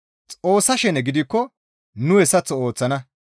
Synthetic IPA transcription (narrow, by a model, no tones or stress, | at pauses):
t͡sʼo̞ːsɐʃɛnɛɡɪd̪ɪkːɔ | nʊhɛsɐt͡sːɔo̞ːt͡sːɐnɐ